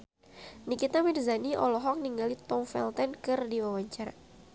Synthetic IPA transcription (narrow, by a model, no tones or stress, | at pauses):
nikit̪amirzaniʔɔ̰lɔɦɔk̚niŋɡalit̪ɔŋfɛ̰lt̪ɛnkɨrdiwawaɲt͡ʃaɾa̰